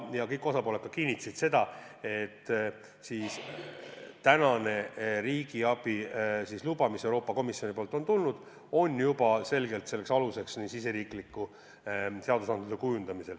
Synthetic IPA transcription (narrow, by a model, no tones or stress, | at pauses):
jɑkɤjkːˑosɑpo̞ːle̞kːˑɑkiːnʲːit̪ːˑɑ̥sit̪se̞d̪̥ɑe̞t̪ːˑ | siːs | t̪ænɑne̞ɾiːɡ̥iɑb̥isislubɑmise̞wɾo̞ːpːˑɑko̞misjo̞nipoːlt̪ːˑo̞nt̪ulnud̪̥ | o̞njubɑse̞lɡe̞lt̪se̞lːe̞ksɑluse̞ksnisise̞ɾiːklikːu | se̞ɑd̪usɑnd̪lusekujund̪̥ɑmise̞l